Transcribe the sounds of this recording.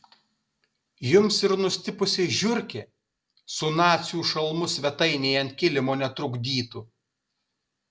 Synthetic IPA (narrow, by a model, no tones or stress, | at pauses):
jʊmsɪɾnʊsʲt̪ʲɪpʊsʲɪʒʲʊɾʲkʲɛ | sʊnɑːt̪sʲjuːʃɐlˠmʊsʲʋʲɛt̪ɐɪnʲɛɪɐnt̪ʲkʲɪlʲɪmoːnʲɛt̪ɾʊɡd̪ʲiːt̪uː